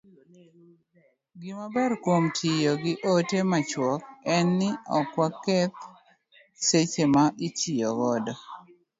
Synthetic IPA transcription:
ɡimabɛrkwomtʰɪjoɡɪʔotemat͡ʃwɔk̚ɛnːɪɔkwakːɛt̪̚ | set͡ʃemaʔit͡ʃijɔɡɔdɔ

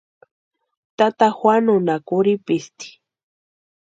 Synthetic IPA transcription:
t̪at̪axwanʊnakʊɾipɪst̪i̥

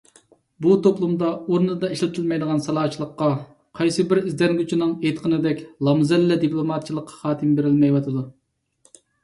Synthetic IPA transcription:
but̪ʰoplˠumd̪ɑoɾnɨd̪ɑiʃlɪt̪ʰɨlmɛjd̪əʁɑnsɑlˠɑːt͡ʃʰilˠəqːɑ | qʰɑjsɨbɪɾizd̪ɛnɡʲyt͡ʃʰinɨŋejt̪qʰənɨd̪ɛkʲlˠɑmzɛlːɛd̪iplˠomɑt̪̚t͡ʃʰilˠəqʰːɑ̥χɑːt̪ʰɨmbeɾɪlmɛjwɑt̪ʰɨd̪u

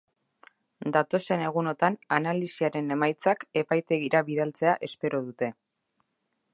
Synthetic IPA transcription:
d̪at̪o̞se̞ne̞ɣ̞uno̞t̪ananalisiaɾe̞ne̞majt͡sake̞pajt̪e̞ɣiɾʔaβiðalt͡se̞aʔe̞spe̞ɾo̞ðut̪e̞

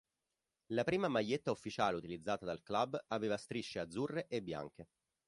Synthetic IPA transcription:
lapɾiːmamaʎːet̪ːaufːit͡ʃaːleut̪ilid̪zːaːt̪ad̪alklabaveːvast̪ɾiʃːead̪zːurːeʔebːja̰ŋk̟e

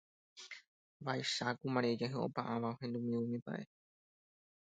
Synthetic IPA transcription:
ʋajʃakumãɾed͡ʒaɦeo̰pãʔãʋaohẽ̞nd̪umĩũmĩpa̰ʔe

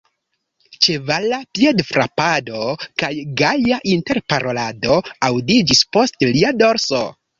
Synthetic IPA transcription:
t͡ʃe̞valapiedfɾa̰pado̞kajɡajaʔinte̞ɾpaɾo̞lado̞awdid͡ʒispo̞stliado̞ɾso̰

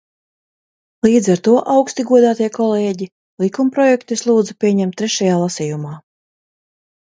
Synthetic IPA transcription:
lˠiːd̪zaɾt̪uɔʔawkst̪iɡuɔd̪aːt̪iɛkɔlɛːɟi | lˠikumpɾɔjɛkt̪uislˠuːd̪zupʲiɛɲɛmt̪ːɾɛʃajaːlˠasijumaː

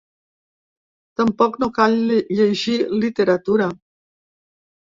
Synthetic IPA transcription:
t̪əmpɔknokaʎʎeʒilit̪eɾat̪uɾa

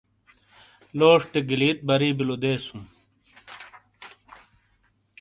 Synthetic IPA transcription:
loːʂʈ̪eɡiliːt̪̚bɐɾiːbilod̪eːsum

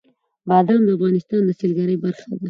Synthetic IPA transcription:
bɑd̪ɑmd̪əafɣɑnɪst̪ɑnd̪əselɡaɾəjbaɾxad̪a

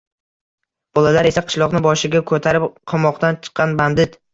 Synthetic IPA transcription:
b̥ɒlalaɾe̞saqʰɨ̥ʃlˠɒqnɪbɒʃɪɡʲakʰɵt̪ʰaɾɪpqʰɒmɒqt̪ant͡ʃʰɨ̥qːɑnband̪ɪt̪

